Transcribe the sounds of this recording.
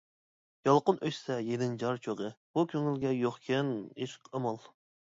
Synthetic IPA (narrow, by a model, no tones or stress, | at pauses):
jɑlˠqənʔøʃʲsɛjenɪŋd͡ʒɑɾt͡ʃʰøʁəb̥ukʲʰøŋylɡʲɛjoχkʲʰɛniʃqʰəmɑlˠ